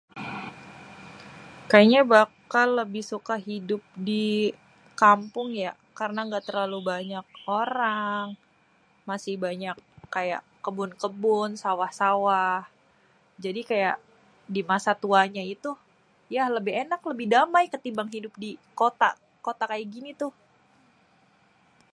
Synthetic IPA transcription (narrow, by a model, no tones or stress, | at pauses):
kajaɲabakalːəbɪhsukaɦidʊp̚di | kampʊŋja | karənaŋɡaʔt̪ərlalubaɲak̚oɾaŋ | masɪhbaɲakːaja̰ʔ | əbʊnkəbʊnsawahsawah | d͡ʒadikajaʔ | dimasat̪uaɲait̪u | jaləbɪɦenakləbɪhdamajkət̪ibaŋɦidʊp̚dikot̪a̰ | kot̪akajaɡinit̪ʊh